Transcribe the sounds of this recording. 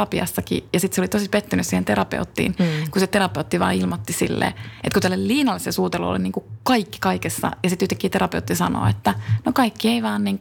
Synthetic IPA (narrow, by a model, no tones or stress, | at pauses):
ɑpiɑ̰sːɑkḭjɑsit̪seolit̪osipet̪ːynyssiːhent̪eɾɑpḛut̪ːḭːnkuset̪eɾɑpeut̪ːiʋɑ̰ːilmot̪ːisḭlːḛːʔet̪kut̪ælːelliːnɑlːisesuːt̪elṵo̰liniːŋkukɑikːi̥kɑikesːɑ̰jɑsit̪yht̪ekːˑiːt̪eɾɑpeut̪ːisɑno̰ːet̪ːænokɑikːieiʋɑːnniːŋk